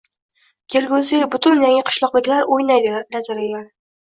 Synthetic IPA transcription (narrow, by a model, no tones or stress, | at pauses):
kʲʰeɾɡʲoziɾbʊt̪ʰʊnjaŋɪqʰɨ̥ʃlˠɒqlɪkʲlaɾojnajd̪ɪnazaɾajlaɾ